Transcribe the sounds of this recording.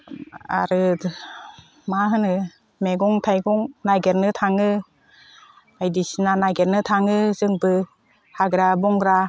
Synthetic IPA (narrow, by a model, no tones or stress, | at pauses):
a̰ɾɯ | maɦɯnɯ | meɡɔŋtʰajɡɔŋnajɡeɾnɯt̪ʰaŋɯ | ajdisinanajɡeɾnɯtʰaŋɯzɯŋbɯ | haɡɾabɔŋɡɾa